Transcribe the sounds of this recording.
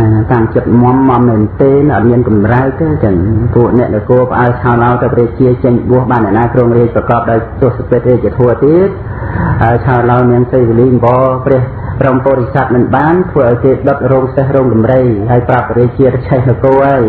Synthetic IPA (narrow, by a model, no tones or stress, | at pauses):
t̪aːmt͡ɕəət̪̚mŏəmːɑmnɨnt̪eːnʔɑ̰t̪̚miənkɑmrat̪ɨwt͡ɕəŋpuəʔnɛ̆əʔnakoːəpə̆ʔaət͡ɕʰaɔlaɔt̪ɨwpriək̚t͡ɕiət͡ɕəŋlɓŭəhɓaːnːɛ̆əʔnaːkroːŋriək̚prɑkɑːp̚ɗaɔjt̪ʊ̆əhsəpeːt̪̚reːc̚iət̪ʰoət̪iət̪̚ | haəjt͡ɕʰaɔlaɔniəŋsejʋiliːmʋɑːprɛəh | prompoːɾisat̪̚mɨnɓaːnt̪ʰʋəːʔaɔjkeːɗot̪̚roːŋsehroːŋkɑmrəjɦaəjprapːriəc̚t͡ɕiət̪t͡ɕʰɛhnɨwkoːhaəj